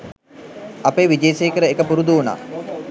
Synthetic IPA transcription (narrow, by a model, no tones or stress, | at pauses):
apeːʋid͡ʒeːseːkəɾəekəpuɾud̪uuna̰ː